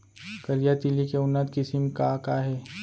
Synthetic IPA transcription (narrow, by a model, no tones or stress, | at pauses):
kɐlijat̪ilikeʊnːət̪kɪsɪmkakaɦɛː